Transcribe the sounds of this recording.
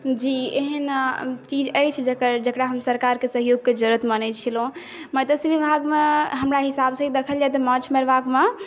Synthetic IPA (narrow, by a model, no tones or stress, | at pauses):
d͡ʒieɦənt͡ʃid͡ʒəjt͡ʃʰd͡ʒəkəɾd͡ʒəkɾaɦəmsəɾkaɾkesəɦjoɡ̚ked͡ʒəɾət̪mənət͡ʃʰilɦũ | mət̪əsʋibʱaɡmeɦəmɾaɦisabsə̃ɦid̪ekʰəljaɛt̪ɔmãt͡ʃʰmeɾʋakme